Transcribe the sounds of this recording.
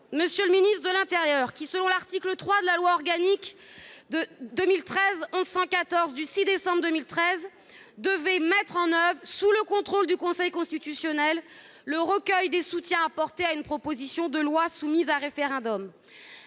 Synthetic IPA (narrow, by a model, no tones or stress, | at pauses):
məsjələminist̪χəd̪əlɛ̃t̪eʁjœːʁkʲisəlɔ̃laʁt̪iklət̪χwad̪əlalwaɔʁɡanikd̪əd̪əmilt̪χɛzɔ̃zsɑ̃kat̪ɔʁzd̪ysid̪esɑ̃bʁd̪əmilt̪χɛz | d̪əvɛmɛt̪χɑ̃nœvʁsuləkɔ̃t̪χold̪ykɔ̃sɛjkɔ̃st̪it̪ysjɔnɛlː | əʁəkʲœjd̪esut̪jɛ̃apɔʁt̪eaynpχɔpozisjɔ̃d̪əlwasumizaʁefeʁɛ̃d̪ɔm